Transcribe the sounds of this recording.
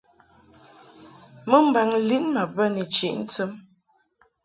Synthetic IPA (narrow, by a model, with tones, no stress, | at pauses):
mə˦m̩˦˨ba˨ŋli˦ʔma˨bə˦nə˨t͡ʃi˨ʔn̩˦tə˦m